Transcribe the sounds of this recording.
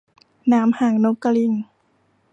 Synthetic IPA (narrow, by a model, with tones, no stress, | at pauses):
naː˦˥mhaː˨˩ŋno˦˥kːa˧li˧˩ŋ